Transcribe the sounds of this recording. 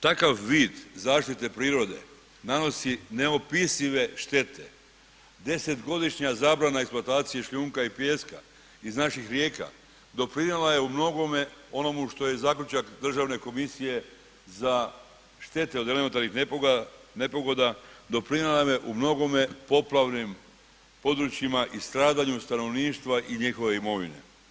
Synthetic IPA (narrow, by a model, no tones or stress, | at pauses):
t̪akaʋʋiːd̪zaːʃt̪it̪e̞pɾiːɾo̞d̪e̞̰ | nano̞sine̞o̞pisiʋe̞ʃt̪e̞t̪ʰe̞ | d̪e̞se̞t̪ɡo̞d̪iʃɲazaːbɾanaeksplˠoat̪aːt̪sije̞ʃʎʲuːŋkaipjeska̰ | iznaʃixɾje̞ːka̰ | d̪o̞pɾinelaje̞umno̞ɡo̞me̞o̞no̞muʃt̪o̞je̞zaːkʎʲut͡ʃakd̪r̩ʒaʋne̞ko̞misije̞ | za | ʃt̪e̞t̪e̞od̪element̪aɾnix | ne̞po̞ɡo̞d̪ad̪o̞pɾinelamje̞ʔumno̞ɡo̞me̞po̞plˠaʋnim | po̞d̪ɾut͡ɕimaʔist̪ɾaːd̪aɲust̪ano̞ʋniːʃt̪ʋaʔiɲixo̞ʋe̞imo̞ʋḭne̞̰